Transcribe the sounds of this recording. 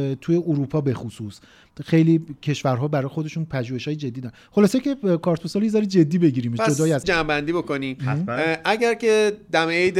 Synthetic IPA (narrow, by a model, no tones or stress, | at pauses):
t̪ʰuje̞ʔuɾuːpʰɒːbe̞xusuːs | xejliːcʰe̞ʃvæɾɦɒːbæɾɒːjexo̞d̪e̞ʃuːnpʰæʒuːhe̞ʃhɒːjed͡ʒe̞d̪ːid̪ɒɾ | xo̞lɒːsecʲʰe̞kʰɒːɾt̪̚bosɒljezɒːɾid͡ʒe̞d̪ːiːbe̞ɟiːɾiːmd͡ʒod̪ɒːjiæzd͡ʒæmbænd̪iːbokonimʔæɟæɾcʰed̪æmejd̪